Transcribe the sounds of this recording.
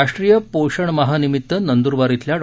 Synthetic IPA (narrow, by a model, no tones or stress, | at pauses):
aʂʈɾijəpoɕəɳməɦanimit̪ːənənd̪uɾʋaɾit̪ljaɽ